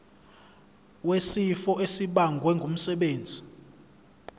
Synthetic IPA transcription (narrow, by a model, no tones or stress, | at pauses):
wesifɔʔesiɓaŋɡʱwɛŋɡʱum̩sɛɓeːnd͡zʱi